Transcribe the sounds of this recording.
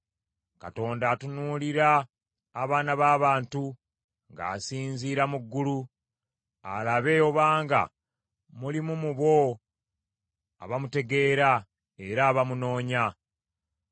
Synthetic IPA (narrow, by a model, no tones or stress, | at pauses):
ka̰to̞ːndaːtunuːliɾaː | βaːnaβaːβaːntu | ŋɡa̰ːsiːnziːɾamuɡːulu | a̰laβe̞jo̞βaːŋɡa̰ | mulimumuβo̞ | a̰βamute̞ɡe̞ːɾa | e̞ɾaːβamuno̞ːɲa